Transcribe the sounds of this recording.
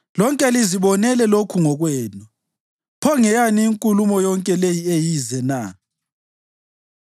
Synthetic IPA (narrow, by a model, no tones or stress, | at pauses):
lɔŋkʼɛliziβɔnɛlɛlokʰuŋɔɣwɛːnɔ | pʰɔŋɛjaniːŋkʼulumɔjɔŋkʼɛlejiejizɛna̰